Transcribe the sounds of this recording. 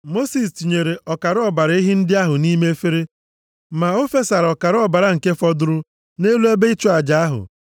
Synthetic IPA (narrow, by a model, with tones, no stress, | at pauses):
mo˦si˨stu˨ɲe˨ɾe˨ʔɔ˨ka˨ɾɔ˦ba˨ɾa˦i˦ɦi˦n̩˦dɪ˦a˦ɦʊ˨niː˦me˦fe˦ɾe˦ | ma˨o˦fe˦sa˨ɾɔ˨ka˨ɾɔ˦ba˨ɾa˨ŋ̩˨ke˦fɔ˦dʊ˦ɾʊ˦ | ne˦lu˦e˦be˦i˦t͡ʃo˦a˨d͡ʒa˨˦a˦ɦʊ̰˨